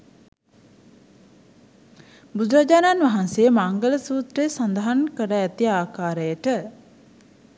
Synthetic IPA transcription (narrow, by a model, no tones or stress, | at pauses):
bud̪uɾad͡ʒaːnanʋaɦansejəmaŋɡələsuːt̪ɾejsand̪əɦankəɾəæt̪iaːkaːɾəjəʈə